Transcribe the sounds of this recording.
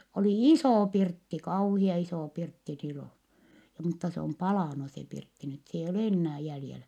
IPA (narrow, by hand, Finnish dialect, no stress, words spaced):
oli isoˑ pirtːi kɑuhiɑ isoˑ pirtːi siloˑ mutːɑ se om pɑlɑˑnu se pirtːi nyt s eijː ol enːæː jæljelæ